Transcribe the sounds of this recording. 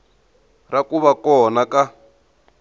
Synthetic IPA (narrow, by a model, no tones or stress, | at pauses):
rakuβakɔnaka